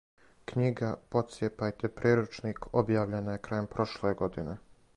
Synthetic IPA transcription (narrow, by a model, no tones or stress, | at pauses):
kɲiɡapo̞t̪sjepajt̪epɾiːɾut͡ʃnikʰobjaːʋʎe̞najekɾaːjempɾo̞ʃlˠeɡo̞d̪ine